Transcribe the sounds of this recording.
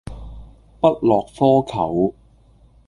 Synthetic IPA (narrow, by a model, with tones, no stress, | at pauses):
pɐ˥t̚lɔː˨k̚fɔː˥kʰɐ˨˩w